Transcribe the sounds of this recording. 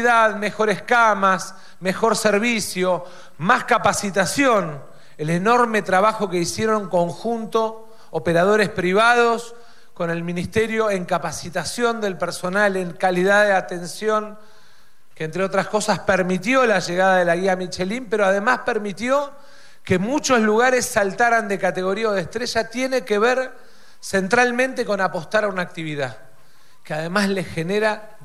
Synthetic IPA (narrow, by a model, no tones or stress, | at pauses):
iðaðme̞xo̞ɾehkamas | mexo̞ɾseɾβisjo̞ | maskapasit̪asjo̞n | eleno̞ɾme̞t̪ɾaβaxo̞ke̞isje̞ɾoneŋko̞ŋxunt̪o̞ː | peɾað̞o̞ɾespɾiβað̞os | ko̞ne̞lmĩnist̪eɾjo̞eŋkapasit̪asjo̞nd̪e̞lpeɾso̞naleŋkaliðaðeat̪e̞nsjo̞ŋ | keːnt̪ɾeo̞t̪ɾasko̞saspeɾmit̪jo̞laʒeɣaðaðelaɣiamit͡ʃelimpe̞ɾoað̞e̞maspeɾmit̪jo̞ | ke̞mut͡ʃo̞sluɣaɾesːalt̪aɾand̪e̞kat̪e̞ɣo̞ɾiaoðeht̪ɾeʒat̪je̞ne̞keβeɾ | se̞nt̪ɾalmẽnt̪eko̞napo̞st̪aɾaunaːk̚t̪iβiða | keaðe̞maslexeneɾa